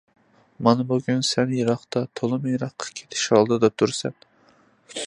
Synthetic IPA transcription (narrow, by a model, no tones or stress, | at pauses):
mɑnɨbuɡʲynsɛnjɑɾɑχt̪ɑt̪ʰolˠɨmjɾɑχqʰːɑ̥kʲʰe̥t̪ʰɪ̥ʃhɑlˠd̪ɨd̪ɑt̪ʰuɾsɛn